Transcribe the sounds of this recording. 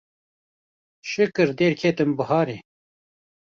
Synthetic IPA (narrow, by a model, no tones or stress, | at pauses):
ʃɨkɨɾd̪eːɾkʰeːt̪ɨmbəhaːɾe